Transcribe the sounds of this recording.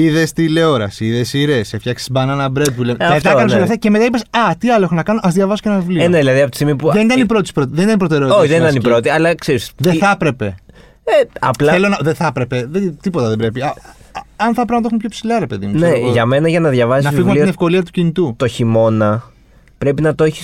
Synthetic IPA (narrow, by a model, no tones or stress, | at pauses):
iðest̪ile̞o̞ɾɐsiiðe̞siɾesefçɐksi̥sbɐnɐnɐbɾet̪̚pulenɐðt̪inɐkɐnoɡɐθeɐceme̞t̪ɐipesɐt̪iɐloexonɐkɐnoʔɐzðʝɐvɐsocenɐvlineðilɐðiɐpot̪isimipuðenit̪ɐnipɾot̪ispɾot̪iðenit̪ɐnipɾo̞t̪e̞ɾeotoçiðenit̪ɐnipɾo̞t̪iɐlɐkseɾisðeθɐpɾe̞pe̞ | eɐ̰plɐelonɐðeθɐpɾe̞pe̞ðet̪ipo̞t̪ɐðembɾe̞piɐ | ɐnθɐpɾɐmɐt̪eumepçopsilɐɾepe̞ðḭmunne̞ʝɐme̞nɐʝɐnɐðʝɐvɐssnɐfiɣumɐliɐinefko̞liɐt̪ucinit̪ut̪o̞çimo̞nɐ | pɾe̞pinɐt̪oeçi̥s